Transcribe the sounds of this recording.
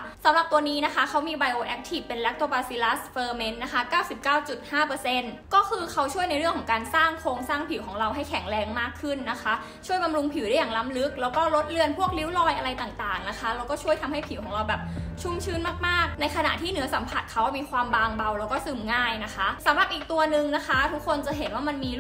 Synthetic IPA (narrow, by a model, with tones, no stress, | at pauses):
sa˩˦mɾa˨˩p̚t̪u˧əniː˦˥na˦˥kʰa˦˥kʰa˦˥wmiː˧ba˧jʔoː˧ʔɛ˦˥k̚t̪ʰiː˨˩pːe˧nlɛ˦˥k̚t̪oː˧˩baː˧si˧˥la˦˥sfɤː˧me˦˥nːa˦˥kʰa˦˥kaː˥˩wsi˨˩p̚kaː˥˩wt͡ɕu˨˩t̪̚haː˥˩pɤː˧se˧˥˩nkɔː˥˩kʰɯː˧kʰa˦˥wt͡ɕʰu˥˩əjna˧jɾɯ˥˩əŋkʰɔː˩˦kaː˧nsaː˥˩ŋkʰoː˧ŋsaː˥˩ŋpʰi˨˩˦wkʰɔː˩˦ŋɾa˧wɦa˥˩jkʰɛ˨˩˦ŋɾɛː˧ŋmaː˥˩kʰːɯ˥˩nːa˦˥kʰa˦˥ | t͡ɕʰu˥˩əjba˧mɾu˧ŋpʰi˨˩˦wda˥˩jaː˨˩ŋla˦˥mlɯ˦˥k̚lɛː˦˥wkɔː˥˩ɾo˦˥t̪̚lɯ˧ənpʰu˥˩ək̚li˦˥wlɔː˧jʔa˧ɾa˧jt̪aː˨˩ŋt̪aː˨˩ŋna˦˥kʰa˦˥la˧wkɔː˥˩t͡ɕʰu˥˩əjt̪ʰa˧mha˥˩jpʰi˨˩˦wkʰɔː˩˦ɾa˧wbɛː˨˩p̚t͡ɕʰu˧˩mt͡ɕʰɯː˧nmaː˥˩k̚maː˥˩k̚na˧jkʰa˧na̰˨˩t̪ʰiː˥˩nɯ˩˦ɐsa˩˦mpʰa˨˩t̪̚kʰa˦˥wa˥˩miː˧kʰwaː˧mbaː˧ŋba˧wlɛː˦˥wkɔː˥˩sɯː˨˩mŋaː˥˩jna˦˥kʰa˦˥ʔsa˩˦mɾa˨˩p̚ʔiː˨˩k̚t̪u˧ɐnɯ˨˧ŋna˦˥kʰa˦˥t̪ʰu˦˥kʰːo˧nt͡ɕa˨˩ɦe˩˦nwaː˥˩ma˧nmiː˧